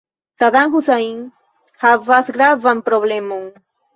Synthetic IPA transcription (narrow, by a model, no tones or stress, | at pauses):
saðaŋxusaiŋ | havasɡɾavampɾoβlemuŋ